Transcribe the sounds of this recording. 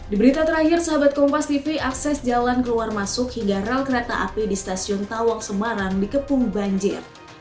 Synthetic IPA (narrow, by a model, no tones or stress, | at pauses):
dibəɾit̪at̪əɾahɪrsaɦabat̪̚kɔmpast̪ifiʔaksɛsd͡ʒalankəluarmasʊkhiŋɡarɛlkəɾet̪a̰ʔa̰pidist̪asiɔnt̪awaksəmaɾaŋdikəpʊŋbaɲd͡ʒɪ̰r